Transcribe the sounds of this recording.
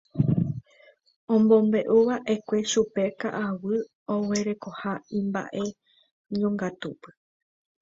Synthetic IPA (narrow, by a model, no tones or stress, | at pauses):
õ̞mbõ̞mbe̞ʔuʋaʔe̞kʷe̞ʃupe̞ka̰ʔawɨ | owe̞ɾe̞ko̞haĩmba̰ʔe̞ | ɲõ̞ŋɡat̪upɨ̥